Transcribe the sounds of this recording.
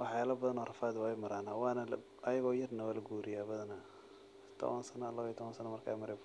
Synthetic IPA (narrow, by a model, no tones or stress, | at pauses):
wʔɑħjaːlɐbɐðɐnɔːrɐfaːd̪wajmɐɾaːnawɑːnɐl | ʔɐjɐɣɔːjɐrnɐwaːlɐɡuːɾɪjaːbɐðɐna | t̪ʰɔ̰βɐnsɐnɐːlɐβjt̪ʰɔβɐnsɐnɐmɐrkʰa̰ːmɐɾɛb